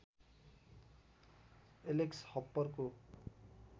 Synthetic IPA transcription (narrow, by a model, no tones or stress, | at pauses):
elekshʌpːʌrko